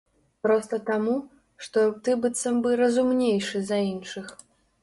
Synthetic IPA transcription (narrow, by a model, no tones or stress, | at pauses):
pɾɔst̪ɐt̪amu | ʂt̪ɔt̪ɨbɨt̪sɐmbɨɾɐzumnʲejʂɨzɐinʂɨx